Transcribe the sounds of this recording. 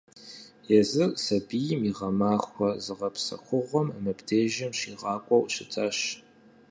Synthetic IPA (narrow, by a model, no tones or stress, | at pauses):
jɛzɨrʼsɐbiːjɪmiʁɐmaːxʷɔzɨʁɐpsɐ̰xʷʊʁʷɔmɐmɨbdeːʒɐmɕiːʁɑːkʷʼɔwʷʼɕɪtʰaːɕ